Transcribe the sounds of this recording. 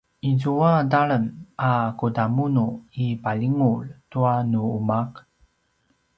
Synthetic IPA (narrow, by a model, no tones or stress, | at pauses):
ʔizuadaɭənakudamunuipaʎiŋuɭtuanuumak